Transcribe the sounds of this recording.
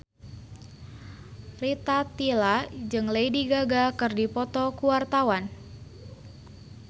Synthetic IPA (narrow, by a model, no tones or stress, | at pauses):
rit̪at̪ilad͡ʒɨŋlejdiɡaɡakɨrdipɔt̪ɔkuwart̪awan